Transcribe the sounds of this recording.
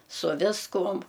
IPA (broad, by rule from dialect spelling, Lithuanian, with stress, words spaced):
sʊ ˈʋʲɪskʊm